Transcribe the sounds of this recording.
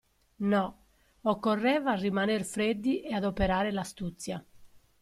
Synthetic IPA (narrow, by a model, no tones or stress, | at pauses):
nɔ | ɔkːɔrːɛːvaːrːimanerfɾed̪ːiʔɛad̪opeɾaːɾelast̪ut̪sːja